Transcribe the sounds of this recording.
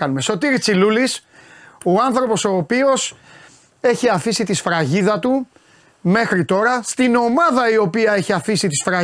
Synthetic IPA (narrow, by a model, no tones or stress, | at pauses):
ɐnumeso̞t̪iɾit͡siluliso̞ɐnθɾo̞po̞so̞ːpio̞s | e̞çiɐfisit̪isfɾɐʝiðɐt̪u | me̞xɾit̪o̞ɾɐst̪ino̞mɐðɐio̞piɐe̞çiɐfisit̪isfɾɐ